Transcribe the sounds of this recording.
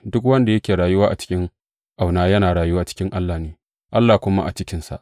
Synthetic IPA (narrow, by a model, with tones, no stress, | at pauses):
dʊ˦kwɐ˦nda˨jɐ˦kʲeː˨ɾaː˨jʊ˦waː˦ʔa˨t͡ʃɪ̥˦kʲɪ˦ŋ | ʔa˨wnaː˦jɐ˦naː˨ɽaː˨jʊ˦waː˦t͡ʃɪ̥˦kʲɪ˦ŋʔa˦lːaː˨neː˦ | ʔa˦lːaː˨kʷʊ˦ma̰˦ʔa̰˨t͡ʃɪ˦kʲɪ˦nsa̰˨ʔ